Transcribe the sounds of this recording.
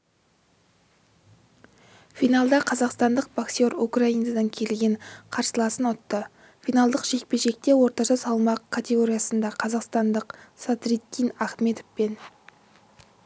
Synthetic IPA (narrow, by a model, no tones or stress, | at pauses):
fijnalˠd̪ɑqʰɑzɑqst̪ɑnd̪əq̚b̥aksʲo̞ɾukraijnad̪ɑŋkʲʰe̞lɡʲe̞ɴqʰɑɾsəlˠɑsənʊt̪ːə | fʲijnalˠd̪əqʒe̞k̚peʒe̞k̚t̪e̞wo̞ɾt̪ɑʃɑsɑlˠmɑqkʰːat̪ʲe̞ɡo̞ɾʲijasənd̪ɑqʰɑzɑqst̪ɑnd̪əqsat̪rit̪ːijnaχme̞t̪ofpe̞n